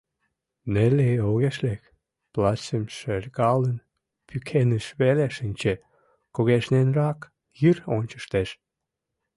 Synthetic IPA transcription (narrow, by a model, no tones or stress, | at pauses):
neleoɣeʃlek | plɑsəmʃerʲɣɑlən | pʰykʰenəʃβeleʃənʲt͡ɕe | koɣeʃnenrɑk | jironʲt͡ɕə̥ʃt̪eʃ